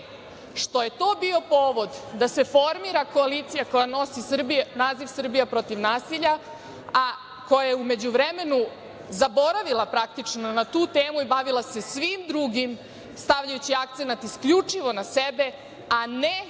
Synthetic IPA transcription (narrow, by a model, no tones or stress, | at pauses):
ʃt̪o̞je̞t̪o̞ːbio̞po̞ːʋo̞d̪d̪ase̞fo̞ɾmiɾako̞aliːt̪sijako̞jano̞sisr̩bienaːziʋsr̩bijapɾo̞t̪iʋnaːsiʎa | a | ko̞jajeume̞d͡ʑuʋɾeme̞nu | zabo̞ɾaʋilapɾak̚t̪it͡ʃnonat̪uːt̪e̞ːmuibaʋilase̞sʋimd̪ɾuːɡim | st̪aʋʎajut͡ɕiak̚t̪senat̪iskʎut͡ʂiʋo̞nasebe̞ | ane